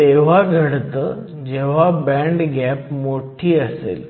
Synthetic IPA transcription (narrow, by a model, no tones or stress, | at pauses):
t̪eʋ̤aɡʱəɽt̪ə | d͡ʑeʋ̤abɛ̃ɳɖɡɛpmoʈʰiːəsḛl